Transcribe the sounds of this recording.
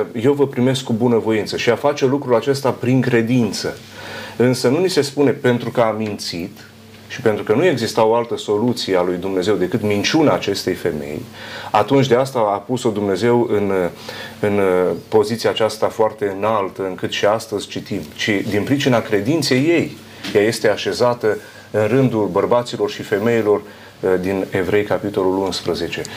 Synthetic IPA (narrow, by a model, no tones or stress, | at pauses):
je̞wvəpɾime̞skːubunəvo̞int̪səʃiafat͡ʃe̞lukɾulat͡ʃe̞st̪apɾiŋkɾe̞d̪int̪sə̰ | ɨnsənunise̞spune̞pe̞nt̪ɾukəamint̪sit̪ | ʃipe̞nt̪ɾukənue̞ɡzist̪awoalt̪əso̞lut̪siealujd̪umne̞ze̞wd̪e̞kɨt̪mint͡ʃunaːt͡ʃe̞st̪e̞jfe̞me̞̰jat̪unt͡ʃʲd̪east̪aapuso̞d̪umne̞ze̞wɨn | ɨnpo̞zit̪siaːt͡ʃast̪afoart̪e̞ɨnalt̪əɨŋkɨt̪ʃiast̪əzʲt͡ʃit̪imt͡ʃid̪inpɾit͡ʃinakɾe̞d̪int̪se̞jːe̞j | jaje̞st̪e̞aʃe̞zat̪ə | ɨnrɨnd̪ulbərbat̪silo̞rʃife̞me̞jilo̞r | d̪ine̞vɾe̞jkapit̪o̞lulunspɾəze̞t͡ʃe̞